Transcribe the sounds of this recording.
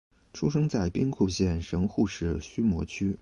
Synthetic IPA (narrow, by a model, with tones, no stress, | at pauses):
ʈ͡ʂʰu˥ʂɤ˥ŋt͡sa˥˩ɪpi˥ŋkʰu˥˧ɕjɛ˥˩nʂɤ˧˥ŋxu˥˧ʂɻ̩˥˩ɕy˥mwɔ˧˥t͡ɕʰy˥